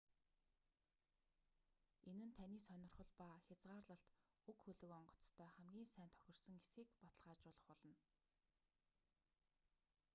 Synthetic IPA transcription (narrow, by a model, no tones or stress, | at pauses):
enɘ̆nt̪ʰæniːsœnʲɪ̆rχə̆ɮpaxʲat͡sʁaːrɮə̆ɬt̪ | ukxɵɮɵ̆kɔɴɢɞ̆t͡st̪ʰːœːχæmɡʲiːnsæːnt̪ʰœ̥xʲɪ̆r̥sɞ̆ŋesxiːkpɔt̪ə̆ɮʁaːt͡ɕʊːɮə̆χpɔɮɞ̆n